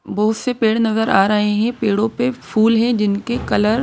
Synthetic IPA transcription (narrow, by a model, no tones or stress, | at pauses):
bɐɦʊt̪sepeːɽnɐzəɾaːɾɐɦeɦɛ̃peːɽõpefuːlɦɛ̃d͡ʑɪnkekɐləɾ